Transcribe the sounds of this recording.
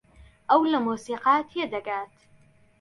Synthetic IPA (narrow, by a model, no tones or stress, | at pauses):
ʔawlamuːsiːqɑːt̪jad̪aɡaːt̪